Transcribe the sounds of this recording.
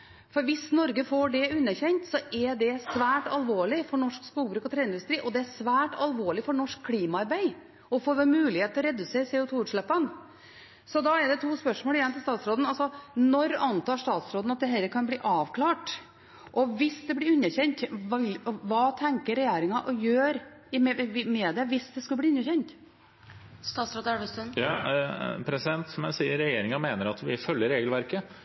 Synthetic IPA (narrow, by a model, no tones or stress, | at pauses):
fɔɾʋɪsnɔɾɡəfoɖɛʉnːəçɛɲt̪sɔʔɛɖɛsʋæːʈɑlʋoːɭɪfɔɳɔʂkspuːɡbɾʉːkɔt̪ʰɾeːɪnd̪ʉst̪ɾiːʔɔd̪ɛæsʋæːʈɑlʋoːɭɪfɔɳɔʂkʰːliːmɑɑɾbæɪ | ɔfoːɾʋɛlmʉːlɪheːt̪ɔɾɛd̪ʉseːɾsɛːʊt̪ʰuːʉːʈʂɭɛpːɑn | sɔd̪ɑɛɖɛt̪ʰuːspœʂmoːlɪjɛnmt̪ɪlst̪ɑːt̪sɾoːd̪n̩ɑlsɔnɔɾɑnt̪ɑːʂt̪ɑːt̪sɾoːd̪n̩ɑt̪̚d̪ɛɦɛlːəɾkʰɑnbliːʔɑːʋkʰlɑːʈ | ʔɔʋɪsd̪ɛbliːʉnːəçɛnt̪ɔʋɑːt̪ʰɛŋkəɾɛjeːɾɪŋɑʔɔjøːɾ | ɪmɛɪmɛd̪ɛʋɪsd̪ɛskʉlb̪iːʉnːəçɛnt̪ | st̪ɑːt̪sɾoːd̪æʋəsənj | pʰɾɛsɪd̪ɛnt̪sɔmɛsiːəɾːɛjeːɾɪŋɑmeːnəɾɑt̪ʋɪfœlːəɾeːɡəlʋæɾkə